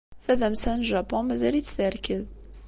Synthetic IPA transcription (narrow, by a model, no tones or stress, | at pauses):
θæðæmsænʒæpɔ̃nmæzælit͡sːθəɾkəð